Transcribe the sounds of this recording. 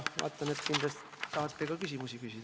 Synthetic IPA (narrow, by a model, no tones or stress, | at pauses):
ɑ̰ːt̪ːˑɑnet̪kind̪lɑst̪it̪ɑhɑt̪ːe̞kɑkysʲimusikysid̥̪